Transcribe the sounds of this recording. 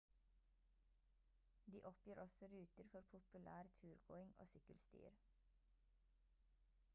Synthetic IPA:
d̪iːʔɔpjøːɾʔɔsɔɾʉːt̪əɾfɔɾpʰʊpʉlæːɾt̪ʰʉːɾɡo̰ːɪŋo̰ːsʏkəlst̪y̰ːɾ

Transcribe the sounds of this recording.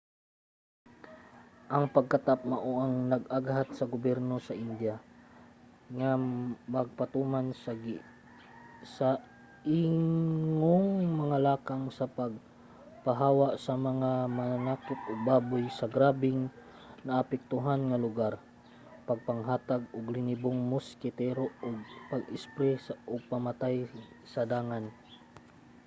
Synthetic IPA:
ʔɐŋpɐɡ̚kat̪ap̚maʔoʔaŋnɐɡaɡhat̪̚sɐɡʊbɛɾnosɐʔɪnd̪ja | ŋamɐɡ̚pat̪uːmansɡ | sa | iŋoŋŋmɐŋalaːkaŋsɐpaɡ̚ | paɦaːwaʔsɐmɐŋamaanaːkʊt̪ʊɡ̚baːbʊjsɐɡɾaːbɪŋ | naʔːpɛk̚t̪ʊɦanŋalʊɡaɾ | pɐɡ̚paŋɦaːt̪aɡʊɡlɪnɪboŋmʊskɪt̪ɛɾoʊɡ̚paɡɪspɾɛsaʔʊɡ̚pamat̪aj | sɐd̪aːŋan

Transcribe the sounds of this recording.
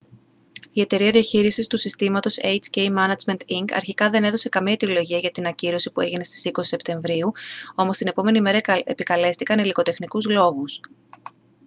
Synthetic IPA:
ie̞t̪e̞ɾiɐðiɐçiɾisist̪usist̪imɐt̪o̞sejt͡sceimɐnɐd͡zme̞nt̪iŋɡɐ̰ɾçikɐðe̞ne̞ðo̞se̞kɐmiɐt̪ilo̞ʝiɐʝɐt̪inɐciɾo̞sipue̞ʝine̞st̪i̥siko̞si̥se̞pt̪e̞ɱvɾiuo̞most̪ine̞po̞me̞nime̞ɾɐepikɐle̞st̪ikɐniliko̞t̪e̞xnikuzlo̞ɣus

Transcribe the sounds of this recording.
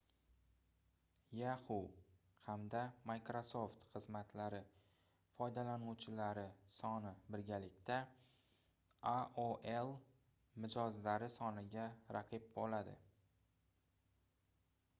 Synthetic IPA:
jahʊw | hamd̪amajkɾoso̞ft̪χɨzmat̪ʰlaɾɪ | fɒjd̪alanuwt͡ʃʰɪlaɾɪsɒnɪbɪɾɡʲalɪkʲt̪a | aʔoʔelˠ | mɪd͡ʒɒzlaɾɪsɒnɪɡʲaɾa̰qʰɨp̚bolad̪ɪ̰

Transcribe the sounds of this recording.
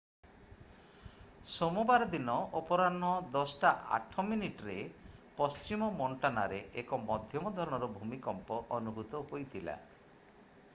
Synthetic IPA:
somubaɾɔd̪inɔɔpɔɾanɔd̪ɔsʈaʔa̰ʈʰɔminiʈɾepɔst͡ʃimɔmɔɳʈanaɾeʔekɔmɔd̪ʱjɔmɔd̪ʱɔɾɔɽ̃ɔɾɔbʱumikɔmpɔʔɔnubʱut̪ɔɦojt̪ʰila̰

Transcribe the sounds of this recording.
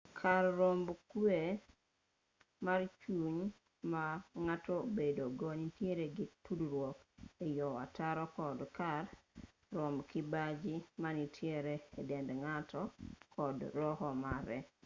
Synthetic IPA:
kʰarːombkwe | mart͡ʃuɲ | maŋatobedoɡɔnitjeɾeɡɪtudɾwɔkejɔwa̰taɾɔkɔdkarː | ombkɪbad͡ʒimanitʰjeɾeːdɛndŋatʰɔkɔdɾɔɦɔmaɾɛ

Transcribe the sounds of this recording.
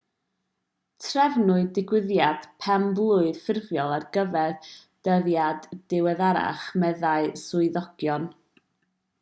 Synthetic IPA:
tʰrɛvnʊɨdɪɡwɪðjad̥pʰɛmblˠʊɨð̥fɪrvjɔlˠarɡəvɛð | d̥əðjadd̥ɪwɛðaɾa̰χmɛðaɨsʊɨðɔɡ̥jɔn

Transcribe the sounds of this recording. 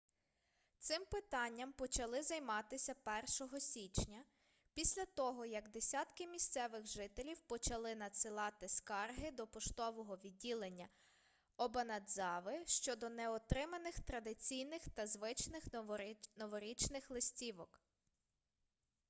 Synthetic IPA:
t̪sɪmpɪt̪ɑnʲːɐmpɔt͡ʃɐlˠɪzɐjmɑt̪ɪsʲɐpɛrʃɔɦɔsʲit͡ʃnʲɐ | pʲisʲlʲɐt̪ɔɦɔjɐɡd̪esʲɑt̪kɪmʲist̪sɛʋɪɣʒɪt̪elʲiwpɔt͡ʃɐlˠɪnɐsɪlˠɑt̪ɪskɑrɦɪd̪ɔpɔʃt̪ɔʋɔɦɔʋʲidʲːilˠenʲːɐ | ɔbɐnɐd̪zɑʋɪʃt͡ʃɔd̪ɔnɛɔt̪ɾɪmɐnɪxt̪ɾɐd̪ɪt͡sʲijnɪxt̪ɐzʋɪt͡ʃnɪxnɔʋɔɾʲit͡ʃnɪxlˠɪsʲtʲiʋɔk

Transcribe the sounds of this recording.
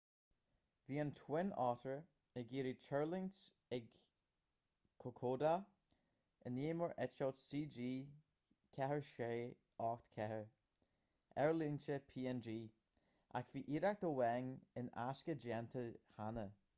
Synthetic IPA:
viːənt̪ʰwɪnɑːtɹə | əɡiːɾit͡ʃʰɛɹlɪŋs | ɪɡ | kʰokʰoːda | əneːməɹʔɛt͡ʃatsiːd͡ʒiː | kʰɛɦəɹʃeː | ɑːxt̪kʰɛhə | ɛɹlint͡ʃəpʰiːɛnd͡ʒiː | ʔa̰kv̥iːʔiːɾak̚t̪əwɛŋɪna̰skəd͡ʒɛnt̪ʰəhanə

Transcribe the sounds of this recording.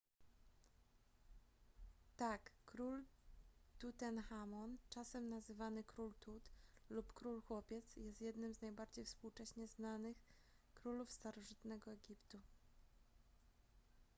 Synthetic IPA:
t̪akːɾul | t̪ut̪ɛnxamɔnt͡ʂasɛmnazɘvanɘkɾult̪ut̪lupkɾulxwɔpʲjɛt̪sjɛst̪jɛd̪nɘmznajbaɾd͡ʑejfspuwt͡ʂɛɕɲɛznanɘx | kɾulufst̪aɾɔʐɘt̪nɛɡɔɛɡʲipt̪u

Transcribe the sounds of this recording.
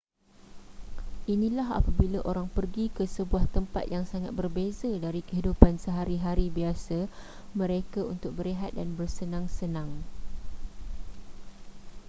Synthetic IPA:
ʔinĩlaɦa̰pabilaʔoɾaŋpərɡikəsəbuaht̪əmpa̰t̪̚jaŋsaŋat̪̚bərbezadaɾikəɦidupansəɦaɾiɦaɾibiasa | mə̃ɾekaunt̪ʊk̚bəɾeɦat̪̚danbərsənãŋsənãŋ

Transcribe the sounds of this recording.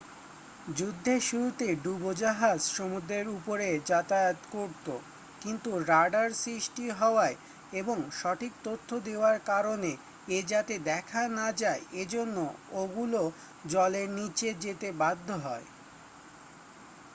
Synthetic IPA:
d͡ʑud̪ʱːeʃuɾut̪eɖubod͡ʑaɦad͡ʑʃomud̪ɾeɾupoɾed͡ʑat̪ajot̪koɾt̪o | kint̪uɾaɖaɾsɾiʃʈiɦɔoae | eboŋʃɔʈʰik̚t̪ot̪ʰːod̪eoaɾkaɾone | ed͡ʑat̪ed̪ɛkʰanad͡ʑaeed͡ʑonːooɡulo | d͡ʑɔleɾnit͡ɕed͡ʑet̪ebad̪ʱːoɦɔe

